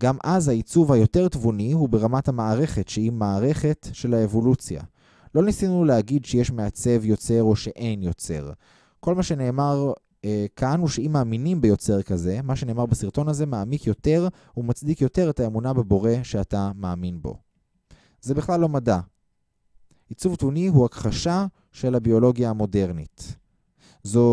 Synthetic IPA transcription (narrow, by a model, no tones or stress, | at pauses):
ɡamʔazhait͡suvhajo̞te̞ʁtvuniɦubeʁamathamaːʁe̞χetʃehimaːʁe̞χe̞tʃe̞laevo̞lut͡sja̰ | lo̞nisinuleaɡidʃejeʃmeat͡se̞vjo̞t͡se̞ʁo̞ʃe̞ʔe̞jnjo̞t͡se̞̰ʁ | ko̞lmaʃe̞ne̞ːmaʁ | kʰanuʃeimaːminimbejo̞t͡se̞ʁkaze̞maʃene̞ːmaʁbesiʁto̞naze̞maːmikjo̞te̞ʁ | umat͡sd̪ikjo̞te̞ʁetaemunabebo̞ʁe̞ʃeatamaːminbo̞̰ | zebiχlalːo̞mada | it͡suvtuniɦuakχaʃa | ʃe̞lhabio̞lo̞ɡjaːmo̞de̞ʁnit | zo